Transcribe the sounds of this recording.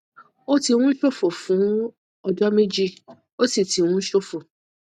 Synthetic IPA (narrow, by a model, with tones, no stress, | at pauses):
o˦ti˧wũ˦ʃo˦fo˨fũ˨˦ | ɔ˧d͡ʒɔ˦me˦d͡ʒi˦ | o˦si˦˨ti˨w̃ũ˦ʃo˦fo˨